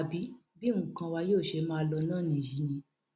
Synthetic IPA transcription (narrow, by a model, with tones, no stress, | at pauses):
a˨bi˨˦bi˦ũ˧˨kã˧wa˧joː˦˨ʃe˧mã˦lɔ˧nãː˦˨nĩ˦˨ji˨˦nĩ˧